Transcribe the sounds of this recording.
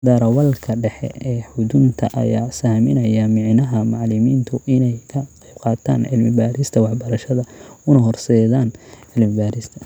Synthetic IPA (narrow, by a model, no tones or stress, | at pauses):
d̪aːɾɐwɐlkʰɐɖɛħɛ̰ɛːħʊdʊnt̪ʰɐ̰ʔɐ̰jaːsaːmɪnɐjɐmɪʕnɐɦɐmɑʕlɪmiːnt̪ʰʊʔɪnɛjkʰɐqijb̚qɑːt̪ʰa̰ːnʕɪlmɪbaːɾɪst̪ʰɐwɑħbɐɾɐʃɐðɐʊnɐɦɔrsɛːðaːnʕɪlmɪbaːɾɪst̪ʰɐ̥